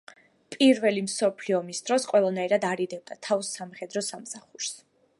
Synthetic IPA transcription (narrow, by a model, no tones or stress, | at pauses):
pʼiɾvɛlimsɔpʰliɔmisd̪ɾɔsqʼwɛlˠanaiɾad̪aɾid̪ɛb̚d̪at̪ʰavsamχɛd̪ɾɔsamsaχuɾs